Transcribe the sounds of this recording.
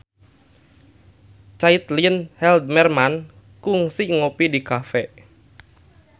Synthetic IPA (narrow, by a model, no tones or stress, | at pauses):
t͡ʃait̪linhɛld̪̚mɛrman | kuŋsiŋopidikafɛ